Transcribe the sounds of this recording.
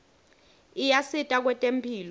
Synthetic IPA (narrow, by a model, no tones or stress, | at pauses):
ijasitʼak̬wɛtʼem̩pʰiːlɔ